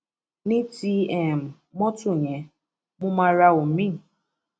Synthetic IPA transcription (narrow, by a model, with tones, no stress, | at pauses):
ni˦ti˦ɛ˨m̩˨ | mɔ˦tʊ˦˨ɲe˨ | mʊ˦ma˦ɾa˦ʊ˨mĩ˦˨